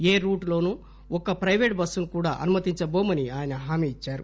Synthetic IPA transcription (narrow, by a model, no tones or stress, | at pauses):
eːɾuːʈlo̞ːnuː | ɔkːɐpɾɐjʋeːʈbɐsːunukuːɽa̰ːʔɐnumɐt̪iɲt͡ʃɐboːmɐniaːjɐnɐɦaːmiːit͡ʃːaːɾu